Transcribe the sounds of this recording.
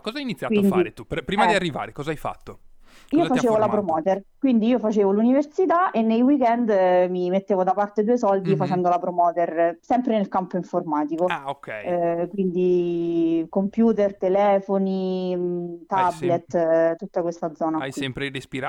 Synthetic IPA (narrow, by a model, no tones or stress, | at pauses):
kɔzajinit̪sːjakwind̪iet̪upɾiːmadiarːiva̰ːɾekɔzaajfa̰t̪ːoiofat͡ʃt͡ʃeːvolapɾomɔːt̪erkwind̪iiːofat͡ʃeːvoluniversit̪aʔenːejwikɛnd̪mimet̪ːeːvod̪apart̪ed̪uːesɔld̪ifat͡ʃɛnd̪olapɾomɔːt̪ersɛmpɾenelkampoiɱformaːt̪ikookɛ̰kwind̪i | kompjuːt̪ert̪elɛːfoni | t̪ablet̪ːt̪ut̪ːakwest̪ad̪zɔːnakjswiɛmpɾeɾespiɾa